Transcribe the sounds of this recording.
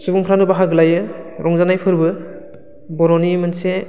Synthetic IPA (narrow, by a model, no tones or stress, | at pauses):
subuŋpʰɾanɯbaɦaɡɯlajɯɾʔɔŋzanajpʰɯɾbɯ | bɔɾɔnimɯnse